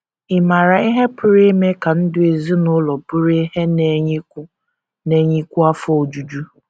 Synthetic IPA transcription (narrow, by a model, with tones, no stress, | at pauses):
ɪ˨ma˨ɾa˨i˦ɦe˦pʊ˨ɾe˦me˦ka˨n̩˦dʊ˦e˨zi˦nʊ˦lɔ˨bʊ˦ɾe˦he˦ne˨ɲɪ˦kʊ˦ | ne˦ɲi˦kʷu˦a˦fɔ˦o˨d͡ʒu˨d͡ʒu˦